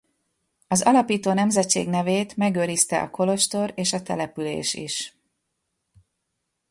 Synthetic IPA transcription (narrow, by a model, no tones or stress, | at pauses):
ɒzɒlɒpiːt̪oːnɛmzɛtt͡ʃːḛːɡnɛveːt̪mɛɡøːɾist̪ɛ̰ʔɒ̰ko̞lo̞ʃt̪o̞ɾeːʃɒt̪ɛ̰lɛpylḛːʃḭʃ